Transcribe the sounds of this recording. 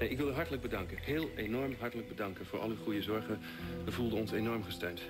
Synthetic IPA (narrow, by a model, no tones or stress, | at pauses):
neɪkʋɪlyɦɑɹtələɡ̚bədɑŋkəhɪːlˠenɔɹmɦɑɹtələɡ̚bədɑŋkənvʊːɹʔɑ̰lˠyχujəzɔɹχə | əvulˠdəɔnsejnɔɹmχəstøɥnt